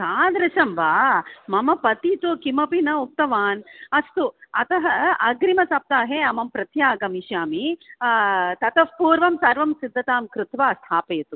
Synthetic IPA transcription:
saːd̪ɾɐʃɐmʋaːmɐmɐpɐt̪it̪okimɐpinɐuk̚t̪ɐʋaːnɐst̪uɐt̪ɐɦɐʔɐɡɾimɐsɐp̚t̪aːɦeːɐmɐmpɾɐt̪jaːɡɐmiʃjaːmi | t̪ɐt̪ɐpuːɾʋɐmsɐɾʋɐmsid̪ʱːɐt̪aːmkɾɪt̪ʋaːɐst̪ʰaːpɐjɐt̪u

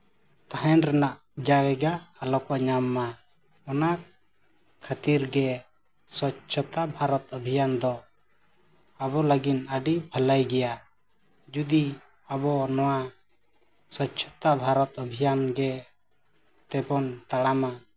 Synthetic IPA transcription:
t̪aɦɛnɾɛnaʔ | d͡ʒaɡɛɡaːlɔkɔʔɲamːa | ɔna | kʰːat̪iɾɡɛ | sɔtːt͡ʃʰɔt̪abʱaɾɔt̪̚əbʱijand̪ɔ | abɔləɡinəɖibʱəlajɡɛja | d͡ʒud̪i | abɔnɔwa | sɔtt͡ʃʰɔ̥t̪abʱaɾɔt̪əbʱijanɡɛ | t̪ɛbɔnt̪aɽama

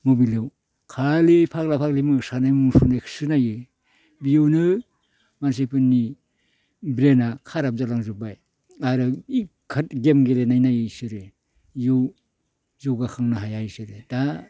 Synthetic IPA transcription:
mobilɯw | kʰalepʰak̚lapʰaklimɯsanajmuŋsunajkʰɯ̥sɯnajɯ | bijɯwnɯ | mans̬ajpɯnːi | bɾenakʰaɾap̚zalaŋzubaj | aɾɯik | kʰat̚ɡemɡelenajnajɯsɯɾɯ | jɯw | zoɡakʰaŋnaɦajajsɯɾɯda

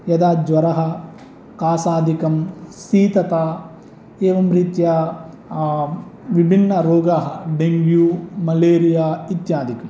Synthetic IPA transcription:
jɐd̪aːd͡ʒʋɐɾɐɦɐ̆ | kaːsaːd̪ʱikɐmsiːt̪ɐt̪a | eːʋɐmɾit̪jɐ | ʋibʱinːɐɾoːɡaɦɐɖeŋɡjuːmɐleːɾijaːit̪jaːd̪ʱikɐm

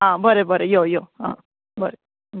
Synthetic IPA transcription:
ɦãbəɾebəɾejojoːɦã̰ː | bəɾe

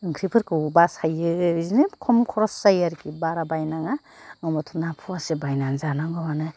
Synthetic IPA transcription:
ɯŋkʰɾipʰɯɾkɯwbashajɯzinɯkʰɔmkʰɔɾɔszajaɾkʰibaɾabajnaŋa | ŋɔmɔtʰɔnapʰuasebajnaŋzanaŋɡɔmanɯ

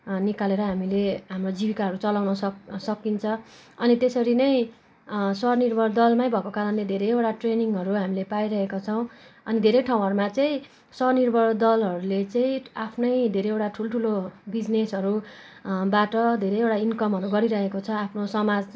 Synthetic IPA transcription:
nikaleɾʌɦamileɦamrod͡zibikaɦʌɾut͡sʌlawnʌssʌkint͡sʰʌ | ʌnit̪esʌɾinʌj̃ | sʌnirbʱʌɽd̪ʌlmaj̃bʱʌkokaɾʌnled̪ʱeɾʌjewʈaʈreniŋɡɦʌɾuɦamilepajɾʌɦekot͡sʰʌw̃ʌnid̪ʱeɾʌjʈʰaw̃ɦʌɾumat͡saĩ | sʌnirbʱʌɽd̪ʌlɦʌɾulet͡saĩapʰnʌjd̪ʱeɾejewʈaʈʰulʈʰulobid͡znesʌɾu | baʈʌd̪ʱeɾʌjewʈainkʌmɦʌɾuɡʌɾiɾʌɦekot͡sʰʌapʰnosʌmad͡z

